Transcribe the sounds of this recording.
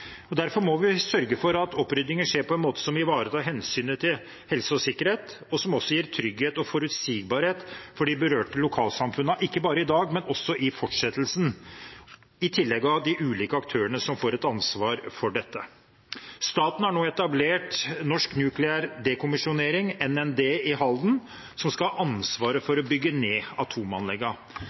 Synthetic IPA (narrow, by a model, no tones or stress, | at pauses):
ɔd̪æɾfɔɾmɔʋɪsœɾɡəfɔɾɑt̪ʰɔpːɾʏd̪nɪŋənʂeːɾpʰɔɛnmoːt̪ə̥sɔmɪʋɑːɾət̪ʰɑːɾɦɛnsyːnət̪ʰɪl | hɛlsəɔsɪkːəɾheːt̪ | ɔsɔmɔsːɔjiːɾt̪ʰɾʏɡheːt̪ɔfɔɾʉt̪siːɡ̚bɑːɾheːt̪fɔɖibəɾøːʈəlʊkʰɑːlsɑmfʉnəʔɪkːəbɑːɾəɪd̪ɑːɡmɛnɔsːɔʔɪfɔʈʂɛt̪ːlsn | ɪt̪ʰɪlːɛɡɑʋd̪ɪʔʉːliːkəɑkt̪ʰøːəɳəsɔmfoːɾɛt̪ɑnsʋɑːɾfɔɖɛt̪ːə | st̪ɑːt̪n̩hæɳoːɛt̪ɑbleːʈnɔʂknjʉːklɪæɾd̪ɛkʰʊmɪʂʊneːɾɪŋɛnɛnd̪eːɪɦɑld̪n̩ | sɔmskɑɑʔɑnsʋɑːɾəfɔɾɔbʏɡːəneːɑt̪ʰuːmɑnlɛɡːɑ